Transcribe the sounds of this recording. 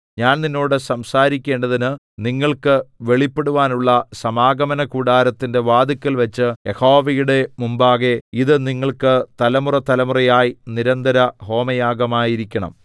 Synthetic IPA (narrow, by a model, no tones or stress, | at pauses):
ɲaːnninːo̞ːɽɨsɐmsaːɾikʲːe̞ːɳɖɐðinɨ | niŋːɐɭkɨʋe̞ɭipːeɽuʋaːnuɭːɐsɐmaːɡɐmɐnɐkuːɽaːɾɐt̪ːinde̞ʋaːd̪ikʲːɐlʋɐt͡ɕːɨje̞ho̞ːʋɐjuɽe̞mumbaːɣe̞iðɨniŋːɐɭkɨt̪ɐlɐmurɐt̪ɐlɐmurɐjaːjiniɾɐnd̪ɐɾɐho̞ːmɐjaːɡɐmaːjiɾikʲːɐɳɐ̰m